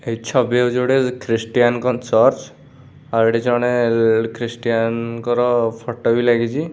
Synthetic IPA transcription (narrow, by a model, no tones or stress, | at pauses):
et͡ʃʰɔbed͡ʒewɽekɾisʈijankɔnsɔɾt͡ʃ | aɾeɽid͡ʒɔɽ̃ekɾisʈijankɔɾɔpʰɔʈɔbilaɡit͡ʃʰi